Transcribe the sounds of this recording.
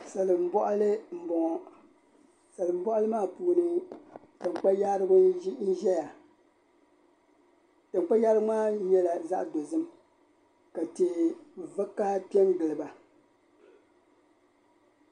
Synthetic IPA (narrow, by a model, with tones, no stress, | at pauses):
sa˨lɨ˨m̩˦bɔ˦ʔa˦lɨ˦m̩˦bɔ˨ŋɔ˨ | sa˨lɨ˨m̩˦bɔ˦ʔa˦lɨ˦maː˦˨puː˨nɨ˦ | tɨ˨ŋ͡mk͡pa˦jaː˦ɾɨ˦bʊ˦n̩˦ʒɛ˦ja˨ | tɨ˨ŋ͡mk͡pa˦jaː˦ɾmaː˦ɲɛ˦la˨za˦ʔdo˨zɨ˦m | ka˨te˨va˦kːa˦pi˦ɛ˦nɡɨ˨lɨ˨ba˨